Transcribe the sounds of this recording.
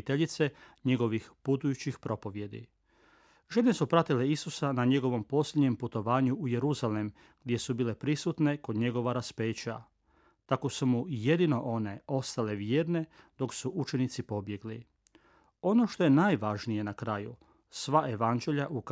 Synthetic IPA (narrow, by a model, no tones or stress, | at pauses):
t̪eʎit̪se̞ɲe̞ɡo̞ʋixput̪ujut͡ɕixpɾo̞po̞ʋje̞d̪ḭ | ʒene̞supɾat̪ile̞isusanaɲe̞ɡo̞ʋo̞mpo̞slʲjed̪ɲe̞mput̪o̞ʋaːɲuuje̞ɾuzale̞m | ɡ̥d̪jesubiːle̞pɾisut̪ne̞ko̞d̪ɲe̞ɡo̞ʋaɾaspe̞ːt͡ɕa̰ | t̪ako̞sumuje̞d̪ino̞ʔo̞ne̞o̞st̪ale̞ʋjeːɾne̞ | d̪̥o̞ksuʔut͡ʃe̞nit̪sipo̞bje̞ɡli | o̞no̞ʃt̪o̞jenaːjʋaʒnije̞nakɾajṵ | sʋaʔe̞ʋand͡ʑe̞ʎaʔuk